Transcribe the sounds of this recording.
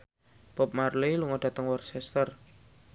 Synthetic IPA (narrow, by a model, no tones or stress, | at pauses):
b̥ɔp̚marliluŋɔɖ̥ä̤t̪əŋwɔrsɛst̪ər